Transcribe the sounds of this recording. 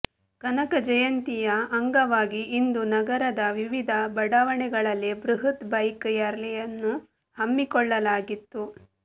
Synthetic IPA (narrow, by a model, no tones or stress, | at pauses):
kɐnɐkɐd͡ʒɐjɐnt̪ijɐɐŋɡɐʋaːɡiʔːnd̪unɐɡɐɾɐd̪ɐʋiʋid̪ʱɐbɐɽɐʋɐɳɛɡɐɭɐlːebɾuɦit̪bɐjkjɐɾlɛjɐnːu | hɐmːikɔɭːɐlaːɡit̪ːu